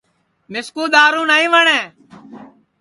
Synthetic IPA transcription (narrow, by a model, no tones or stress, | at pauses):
mɪskũːɗ̪aːɾũːnaːĩːʋəɳẽː